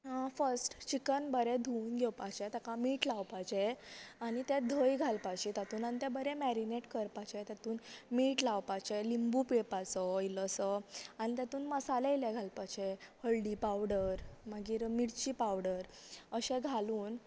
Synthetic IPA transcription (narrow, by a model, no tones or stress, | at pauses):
ɦãfəɾsʈt͡ɕikənbəɾed̪ʱuːnɡʱewpat͡ɕet̪akamiːʈlawpat͡ɕeaɽ̃it̪ɛd̪ʱəjɡʱalpajt͡ɕiːt̪at̪uːnañit̪ɛ̃bəɾemæɾineʈkəɾpat͡ɕet̪jat̪uːnmiːʈlawpat͡ɕelimbupepat͡səiləsəañit̪jat̪uːnməsaleilɛɡʱalpat͡ɕehəɭɖipawɽəɾməɡiːɾmiɽt͡ɕiːpawɽəɾəɕẽɡʱaluːn